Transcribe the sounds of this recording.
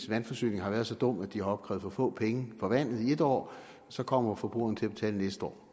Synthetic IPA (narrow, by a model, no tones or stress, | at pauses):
sʋænfɒ̽sy̰ːne̝ŋɦɑʋæːɐð̞̩ˠsɒ̽d̥ɔ̽m̰æd̥iɑ̈ɒ̽b̥̚kʰʁɛ̰ːð̩ˠfɒ̽fɔ̰̽ːpʰeŋəfɒ̽ʋæn̰ð̞̩ˠie̝d̥ɒ̰ː | sɒ̽kʰɒ̽m̰ɐfɒ̽b̥ʁṵːɐnət͡sʰe̝æb̥e̝t͡sʰɛ̰ːlnesd̥əɒ̰ː